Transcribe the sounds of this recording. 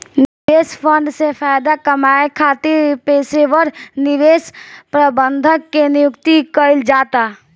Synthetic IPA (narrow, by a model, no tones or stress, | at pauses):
nɪɪbeːspʰə̃ɳɖsepʰaːɪd̪akəmaːekʰaːt̪ɪɾpeːseʋəɾnɪʋeːspɾəbənd̪ʱəkːenijʊkt̪ikəɪld͡ʒaːt̪a